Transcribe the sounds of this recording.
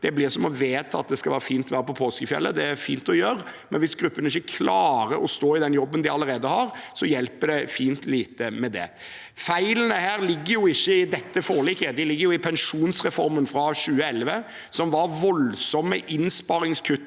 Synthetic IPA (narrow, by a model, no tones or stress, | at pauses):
d̪̥ɛblɪːʁsɔmɔʋeːt̪ʰɑɑt̪̚d̪ɛskɑlʋæːɾəfiːnt̪ʋæːɾəpʰɔpʰoːskəfjɛ̰lːəd̪ɛæɾfiːnt̪ɔjøːɾmɛnʋɪsɡɾʉpːənɪçːəkʰlɑːɾəɾɔst̪oːɪd̪ɛnjɔbːənd̪ɪɑləɾeːd̪əhɑɾsɔjɛlpəɖɛfiːnt̪liːt̪əmɛd̪ɛ̰ | fæɪlənəhæːɾlɪɡːəɾjʊɪçːəɪd̪ɛt̪ːəfoːlɪkːəd̪ɪlɪɡːəɾjʊɪpʰɛnʂuːnsɾɛfɔɾmənfɾɑɕʉːəɛlʋə | sɔmʋɑɾʋɔlsɔmːəʔɪnspɑɾɪŋskʰʉt̪ː